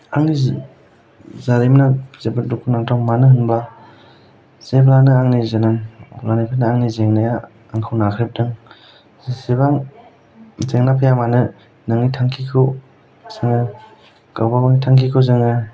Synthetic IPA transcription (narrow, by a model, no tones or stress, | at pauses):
aŋni | zaɾimnazebɯdukʰunaŋtʰawmanɯhɯnbla | z̥eblanɯaŋnizenaŋlanipʰanaaŋnizeŋnajaː | ŋkʰɯwnakʰɾep̚dɯŋ | sebaŋ | zeŋnapʰajamanɯ | nɯŋnitʰaŋkʰikʰɯw | z̥ɯŋɯ | kawbabaŋnitʰaŋkʰikʰɯwzɯŋɯ